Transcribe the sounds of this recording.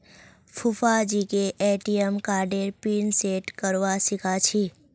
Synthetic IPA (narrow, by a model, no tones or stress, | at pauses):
fʰufad͡ʒikeʔeʈijəmkaːɾɖeɾpiːnseʈkəɾʋasikʰat͡ʃʰi